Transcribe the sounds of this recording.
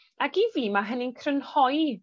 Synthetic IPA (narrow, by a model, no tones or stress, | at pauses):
akiviːmaɦənɪnkʰrənhɔj